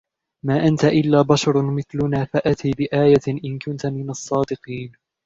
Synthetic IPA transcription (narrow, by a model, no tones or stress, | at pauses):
maːʔant̪aʔɪlːaːbɑʃɑɾˤmɪθlʊnaːfaʔat̪iːbɪʔaːjaʔɪnkʊnt̪amɪnɑsˤːɑːd̪ɪqiːn